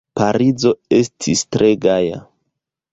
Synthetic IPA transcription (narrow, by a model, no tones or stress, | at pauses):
paɾid͡zo̞e̞stʰistɾʔeɡaja̰